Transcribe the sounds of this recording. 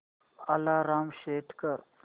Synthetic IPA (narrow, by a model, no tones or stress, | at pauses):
alaɾamɕeʈʰkəɾ